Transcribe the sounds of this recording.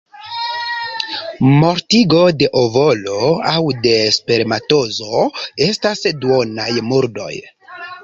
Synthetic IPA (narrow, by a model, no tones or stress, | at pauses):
mo̞ɾtiɡo̞de̞ʔovo̞lo̞awde̞speɾmato̞zo̞e̞stasduonajmuɾdo̞̰j